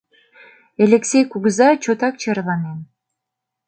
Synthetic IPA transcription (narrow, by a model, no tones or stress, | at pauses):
elʲeksʲejkuɡzɑt͡ɕot̪ɑk̚t͡ɕɤɾlˠɑnen